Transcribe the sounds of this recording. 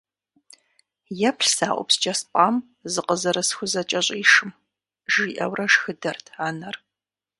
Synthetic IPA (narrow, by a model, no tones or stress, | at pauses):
jɛpʰɬsaːʔʷʊ̰pst͡ʃʼɐspʼaːm | zɨqəzɐɾɐsxʷʊzɐt͡ʃʼɐɕʼiːʂɨm | ʒiːʔɐwrɐʃxɨdɐrtʰaːnɐr